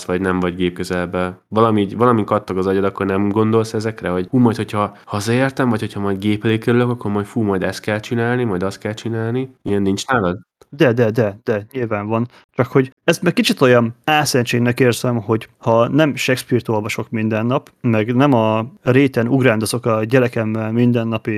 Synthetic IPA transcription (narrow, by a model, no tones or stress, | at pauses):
sʋɒɟnɛmvɒɟɡeːp̚køzɛlɛbɛvɒlɒmiɟvɒlɒmikɒt̪ːɒkɒzɒɟod̪ɒkːornɛmɡo̞nd̪o̞lsɛzɛkrɛɦoɟfuːmɒjt̪ho̞cʰhɒhɒzɒeːrt̪ɛmvɒcho̞cʰhɒmɒjd̪ɡeːpleːkøɾyløkɒkːoɾmɒjcfuːmɒjd̪ɛst̪kɛlt͡ʃinaːlnimɒjd̪ɒst̪̚kɛlt͡ʃinaːlniiɛnːint͡ʃnaːlɒd̪ | d̪ɛd̪ɛd̪ɛd̪̥ɛɲilvaːɱvɒn | t͡ʃɒkho̞ɟɛst̪mɛk̚kːit͡ʃit̪o̞jɒnaːsɛɲt͡ʃeːɡnɛkeːrzɛmho̞ɟhɒnɛmʃɛkspiːrt̪o̞lvɒʃo̞kmind̪ɛnːɒp | mɛɡnɛmɒreːt̪ɛnuɡraːnd̪ozo̞kɒɟɛlɛkɛmːɛlmind̪ɛnːɒpi